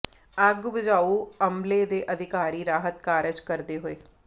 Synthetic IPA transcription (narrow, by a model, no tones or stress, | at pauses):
əɡbɪd͡ʒaːuəmled̪eːʔəd̪ʱɪkaːɾiːɾaːɦət̪kaːɾəd͡ʒkəɾd̪eɦʊeː